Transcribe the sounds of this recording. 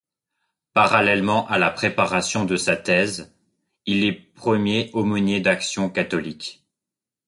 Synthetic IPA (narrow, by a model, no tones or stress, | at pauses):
paʁalɛlmɑ̃ʔalapχepaʁasjɔ̃d̪əsat̪ɛz | ilɛpχəmjeʔɔmɔnjed̪aksjɔ̃kat̪ɔlik